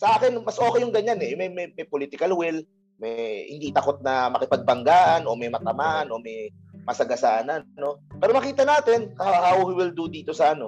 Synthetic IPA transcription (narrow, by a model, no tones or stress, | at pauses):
sɐʔaːkɪnmɐsʔo̞ːkɛjʊŋɡɐɲanɛmɐjmɐjmɐjpoliːt̪ɪkɐlwɪl | mɛjhɪ̰d̪it̪ɐko̞t̪̚nɐmɐkɪpɐɡ̚bɐŋɡaʔnʔo̞mɛjmɐt̪ɐmaʔno̞mɛj | mɐsɐɡɐsaːnɐno̞pɛːɾomɐkiːt̪ɐnaːt̪ɪnhahawhiwɪld̪ud̪iːt̪o̞sɐʔɐno̞